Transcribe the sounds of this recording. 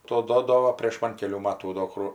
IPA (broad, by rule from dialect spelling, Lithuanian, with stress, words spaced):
ˈtoː ˈduɔdoːʋoː pʲrʲeːʃ ˈmɐn kʲɛˈlʲuː ˈmɑːtuː doː ˈkrʊ